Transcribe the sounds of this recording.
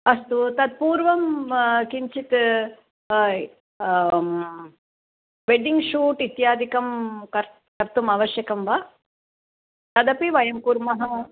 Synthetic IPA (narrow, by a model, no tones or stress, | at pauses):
ɐst̪ut̪ɐd̪̚puːɾʋɐmkiɲt͡ʃit̪ | ʋeɖiŋɡʃuːʈit̪jaːd̪ʱikɐmkɐɾ | kɐɾt̪umɐʋɐʃjɐkɐmʋa | t̪ɐd̪ɐpiʋɐjɐmkuːɾmɐɦɐ